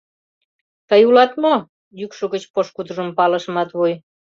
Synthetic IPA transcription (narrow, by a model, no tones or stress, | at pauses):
t̪əjulɑt̪mo | jykʃoɣət͡ɕpoʃkud̪əʒəmpɑləʃəmɑt̪βuj